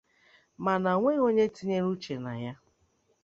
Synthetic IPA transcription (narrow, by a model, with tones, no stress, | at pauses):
ma˨na˨ŋʷe˦ɣo˦ɲe˦ti˦ɲe˦ɾu˦t͡ʃe˨na˨ja˦